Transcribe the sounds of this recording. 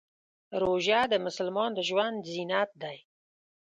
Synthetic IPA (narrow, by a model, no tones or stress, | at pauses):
ɾoʒad̪əmʊsəlmɑnd̪əʒwand̪zinat̪̚d̪aj